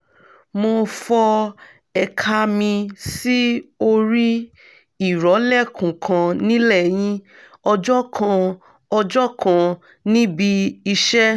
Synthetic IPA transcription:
mo˧fɔ˧ | ɛ˧kʰa˧mĩ˧si˦o˧ɾi˦ | i˦˨ɾɔ˨˦lɛ˦˨kũ˨kʰã˧nĩ˦lɛ˦˨j̃ĩ˧ | ɔ˧d͡ʒɔ˦kʰã˧ | ɔ˧d͡ʒɔ˦kã˧ | nĩ˦bi˧i˧ʃɛ˦

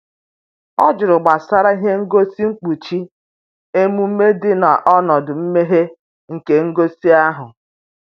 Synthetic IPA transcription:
ɔ˦d͡ʒʊ˨ɾʊ˨ɡ͡ba˨sa˦ɾa˦i˦ɦe˦ŋ̩˦ɡo˦si˦ŋ͡m̩˦k͡pu˨t͡ʃi˦ | e˦mu˦m̩˦me˦dɪ˦na˨ʔɔ˦nɔ˨dʊ˨m̩˦me˦ɦe˦ | ŋ̩˨ke˨ŋ̩˦ɡo˦si˦a˦ɦʊ˨

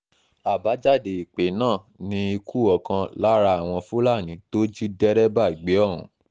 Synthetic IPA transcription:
a˨ba˨˦d͡ʒa˦˨de˨i˨k͡pe˨˦nãː˦˨nĩ˧i˧ku˦ɔ˨kã˧la˦ɾa˧˦a˨w̃ɔ̃˧fu˦la˦˨nĩ˨˦to˦d͡ʒi˦dɛ˦ɾɛ˦ba˦˨ɡ͡be˨˦ɔ˦˨ɾ̃ṵ̃˨˦

